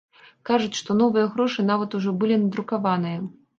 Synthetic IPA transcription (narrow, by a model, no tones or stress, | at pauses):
kaʐut͡sʲʂt̪ɔnɔvɨjɐɣɾɔʂɨn̪avɐt̪uʐɔbɨlʲinɐd̪ɾukavanɨjɐ